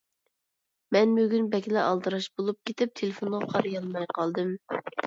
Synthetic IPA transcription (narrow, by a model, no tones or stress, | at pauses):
mɛnbøɡʲynbɛkʲlɛʔɑlˠd̪ɨɾɑʃbolˠup̚kʲʰet̪ɪp̚t̪ʰelɪfonʁɑqʰɑɾjɑlˠmɑjqʰɑlˠd̪ɨm